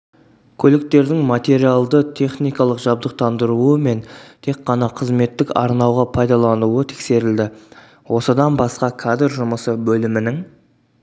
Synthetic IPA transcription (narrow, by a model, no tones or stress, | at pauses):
kʲʰɵlɪk̚t̪e̞ɾd̪ɪŋmat̪e̞ɾialˠd̪ət̪ʲʰe̞χnijkɑlˠəqʒɑb̚d̪əq̚t̪ʰɑnd̪əɾuəme̞nt̪ʰe̞kːɑnɑqʰəzme̞t̪ːɪkɑ̰ɾnɑwʁɑpʰɑjd̪ɑlˠɑnuət̪ʰe̥kse̞ɾɪld̪ɪ | wʔo̞səd̪ɑnbɑsqɑkʰad̪rʒʊməsəbɵlɪmɪnɪŋ